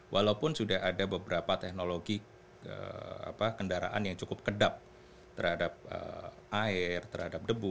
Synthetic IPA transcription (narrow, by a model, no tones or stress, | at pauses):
wʔalaupʊnsudahadabəbəɾapat̪ɛk̚noloɡi | ə̰a̰pakəndaɾa̰ʔanjaŋt͡ʃukʊp̚kədap̚ | t̪ərhadap̚ə̰ | ʔaɪrt̪ərhadap̚dəbu